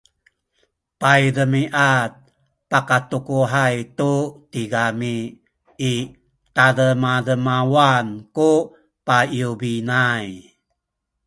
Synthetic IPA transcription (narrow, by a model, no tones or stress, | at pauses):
pajɾəmiʔat̚ | pakatukuɦajtutiɡamiː | taɾəmadəmawanku | paiubinaj